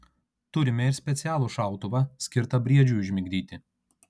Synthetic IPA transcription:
t̪ʊɾʲɪmʲɛɪɾsʲpʲɛt̪sʲæːlˠuʃɑˑʊt̪ʊʋɐsʲkʲɪɾt̪ɐbʲɾʲiɛd͡ʒʲuˑɪʒʲmʲɪɡʲd̪ʲiːt̪ʲɪ

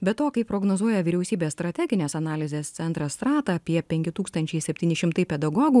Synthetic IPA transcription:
bʲɛt̪oːkɐɪpɾoːɡnozuɔjɛʋʲiːɾʲɛʊsʲiːbʲeːsst̪ɾɐt̪ʲæɡʲɪnʲeːsɐnɑːlʲɪzʲeːst̪sʲɛnt̪ɾɐst̪ɾɑːt̪ɐɐpʲiɛpʲɛŋʲkʲɪt̪uːkst̪ɐnʲt͡ʃʲɛɪsʲɛpʲt̪ʲiːnʲɪʃʲɪmt̪ɐɪpʲɛd̪ɐɡoːɡuː

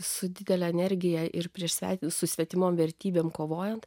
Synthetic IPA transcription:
sʊd̪ʲɪd̪ʲɛlʲɛɛnʲɛɾʲɡʲɪjɛʔɪrpʲɾʲiɛʃsʲæ̰ːt̪ʲsʊsʲʋʲɛt̪ʲɪmoːmʋʲɛɾʲt̪ʲiːbʲeːmkoːʋoːjɛnt̪

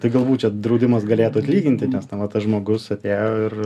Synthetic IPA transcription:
t̪ɐɪɡɐlˠbuːt̪ʲt͡ʃʲɛd̪ɾɐʊd̪ʲɪmɐsɡɐlʲeːt̪uːɐt̪ʲlʲiːɡʲɪnʲt̪ʲɪnʲɛsnɐʋɐt̪ɐsʒmoːɡʊsɐt̪ʲeːjoːɪr

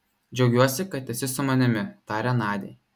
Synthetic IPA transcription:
d͡ʒʲɛʊɡʲuɔsʲɪkɐt̪ʲɛsʲɪsʊmɐnʲɪmʲɪt̪ɑːɾʲɛnɑːd̪ʲḛː

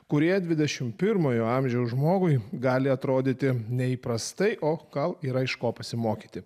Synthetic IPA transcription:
kʊɾʲiɛd̪ʲʋʲɪd̪ʲɛʃʲɪmpʲɪɾmoːjoːɑmʲʒʲɛʊʒmoːɡʊɪɡɑːlʲɪɐt̪ɾoːd̪ʲiːt̪ʲɪnʲɛiːpɾɐst̪ɐɪʔoːɡɐlˠiːɾɐɪʃkoːpɐsʲɪmoːkʲiːt̪ʲɪ

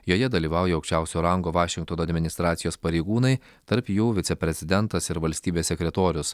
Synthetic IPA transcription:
joːjɛd̪ɐlʲiːʋɑˑʊjɛɐʊkʃʲt͡ʃʲæˑʊsʲoːɾɐŋɡoːʋɑːʃʲɪŋkt̪oːnoɐd̪ʲmʲɪnʲɪst̪ɾɑːt̪sʲɪjoːspɐɾʲɛɪɡuːnɐɪ | t̪ɐɾpjuːʋʲɪt̪ʲɛpʲɾʲɛzʲɪd̪ʲɛnt̪ɐsɪɾʋɐlʲsʲt̪ʲiːbʲeːsːʲɛkɾʲɛt̪oːɾʲʊs

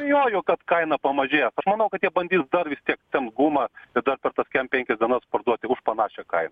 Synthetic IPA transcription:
bʲejoːjʊːkɐt̪kɐɪnɐpɐmɐʒʲeːsɐʃmɐnɐʊkɐt̪jiɛbɐnʲdʲiːsd̪ɐrʋʲɪsʲt̪ʲiɛkt̪ʲɛnɡuːmɐɪd̪ɐrpʲɛrt̪ɐskʲɛmpʲɛŋʲkʲɛsʲdʲiɛnɐspɐrd̪uɔt̪ʲɪʊʃpɐnɑːʃʲɛkɐ̰ɪnɐ

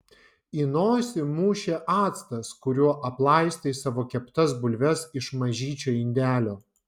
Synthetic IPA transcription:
inoːsʲɪmuːʃʲeːʔɑːt̪st̪ɐskʊɾʲuɔʔɐplˠɐˑɪsʲt̪ʲɐɪsɑːʋoːkʲɛpt̪ɐs̬bʊlʲʋʲɛsɪʃmɐʒʲiːt͡ʃʲoːɪnʲd̪ʲæːlʲoː

